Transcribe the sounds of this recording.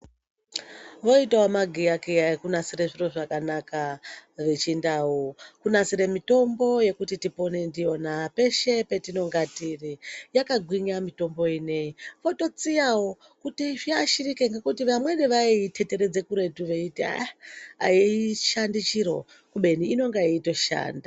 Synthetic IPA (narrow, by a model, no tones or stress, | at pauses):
ʋo̞itaomaɡʱiakeakunasiɾeʐiro̞ʐakanakaʋe̞t͡ʃindawokunasiɾemito̞mbo̞je̞kutitipo̞ne̞ndijo̞nape̞ʃe̞petino̞ŋɡatirijakaɡʱwiɲamito̞mbo̞ine̞iʋo̞to̞t͡siawo | kutiʐiaʃirikeŋɡekutiʋamwe̞neʋaiitʰe̞te̞ɾed͡ze̞kuɾe̞tuʋeitia̰a̰iiʃandit͡ʃiɾo̞̰ | kuɓe̞niino̞ŋɡaito̞ʃa̰ːnda